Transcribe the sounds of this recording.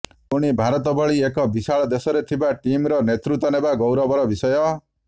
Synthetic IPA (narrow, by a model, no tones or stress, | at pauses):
uɽ̃ibʱaɾɔt̪ɔbɔɭiekɔbisaɭɔd̪esɔɾet̪ʰibaʈimɾɔnet̪ɾut̪ɔnebaɡowɾɔbɔɾɔbisɔjɔ